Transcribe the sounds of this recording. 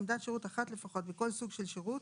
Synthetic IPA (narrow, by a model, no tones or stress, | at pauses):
mdatʃeʁutaχatlefaχo̞tveko̞lsuɡʃelʃeʁut